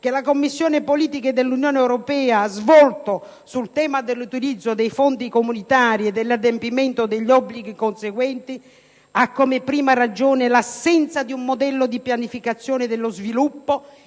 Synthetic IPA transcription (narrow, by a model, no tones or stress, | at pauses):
k̟elakomːisːjoːnɪpoliːt̪iked̪elːunjoːneɛwɾopɛːaazvɔlt̪o | sult̪ɛːmad̪elːut̪ilid̪zːod̪ejfont̪ikomunit̪aːɾied̪ːelːad̪empiment̪od̪eʎːɔbːliɡ̟ikonseɡwɛnt̪i | akːomepɾiːmarad͡ʒoːnelasːɛnt̪sad̪iumːod̪ɛlːod̪ipjanifikat̪sːjoːned̪elːozvilupːo